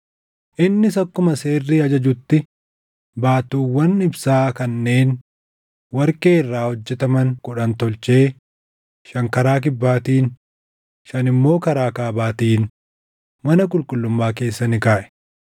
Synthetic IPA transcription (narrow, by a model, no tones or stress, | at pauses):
ʔɪnːɪsɐkːʊmɐse̞ːrːiːɐd͡ʒɐd͡ʒʊt̪ːɪ | baːt̪uːwːɐnɪbsaːkɐnːe̞ːn | wɐɾke̞ːɪrːaːhɔd͡ʒːɛt̪ɐmɐŋkʊᶑɐnt̪ɔlt͡ʃe̞ː | ʃɐŋkɐɾaːk̬ɪbːaːt̪iːn | ʃɐnɪmːo̞ːkɐɾaːkaːbaːt̪iːn | mɐnɐk̬ʼʊlkʼʊlːʊmːaːke̞ːsːɐnɪkaːʔɛ̥